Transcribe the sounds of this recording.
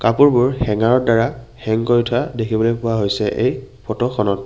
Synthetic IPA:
kapuɹbʊɹxɛŋaɹɔɹdaɹaxɛŋkoɹitʰʊadekʰibɔlojpʊwaɦojsɛʔejpʰɔtɔxʰɔnɔt

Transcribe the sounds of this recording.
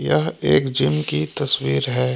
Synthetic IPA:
jɐɦeːkd͡ʒɪmkit̪ɐswiːɾɦɛː

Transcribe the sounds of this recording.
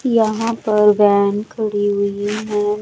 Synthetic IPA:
jɐɦãpɐɾbɛːnkɐɽiɦʊimaː

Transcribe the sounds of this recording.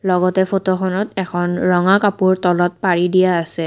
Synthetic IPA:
lɔɡɔtɛfotɔxʰɔnɔtɛkʰɔnɹɔŋakapuɹtɔlɔt̚paɹidijaːsɛ

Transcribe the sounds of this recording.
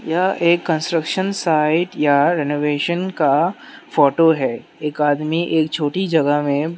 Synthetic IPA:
jaʔeːkːə̃nsʈɾəkʃənsaːɪʈjaɾɛnoːʋeːʃənkafɔːʈoɦɛː | eːkaːd̪miʔeːk̚t͡ʃʰoːʈid͡ʒɐɡəɦmẽ

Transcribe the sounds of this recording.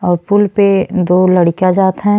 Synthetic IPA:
ɔːɾpʊlped̪oːlɐɽkad͡ʒaːt̪ɦɛ̃

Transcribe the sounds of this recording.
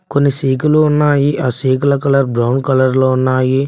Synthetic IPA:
konːisiːkuluunːaːjiʔaːsiːk̬ulɐkɐlɐɾbɾɐwnkɐlɐɾloːunːaːji

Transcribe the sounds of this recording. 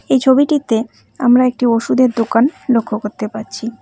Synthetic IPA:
ejt͡ɕʰobiʈit̪e | amɾaek̚ʈioʃud̪eɾd̪okanlokʰːokoɾt̪epaɾt͡ɕʰi

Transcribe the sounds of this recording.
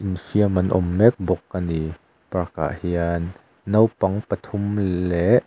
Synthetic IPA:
ʔinfiəmɐnʔɔ̰mːɛk̚bɔkːani | paka̰ʔhianː | ɐwpɐŋpɐt̪ʰumlɛʔ

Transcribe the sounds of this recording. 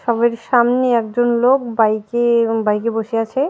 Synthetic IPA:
ʃɔbeɾʃamneɛkd͡ʑonlok̚bajkebajkeboʃeat͡ɕʰe

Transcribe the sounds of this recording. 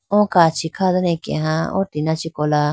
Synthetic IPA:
õkat͡ʃʰikʰaðanẽkḛ̃ɦãõ̰t̪inãt͡ʃikola

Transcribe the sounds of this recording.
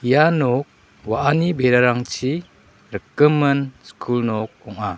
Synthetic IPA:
ijanok̚ | waʔanibeɾaɾaŋt͡ʃi | ɾəkːəmːɯnskʰulnɔk̚ɔŋa

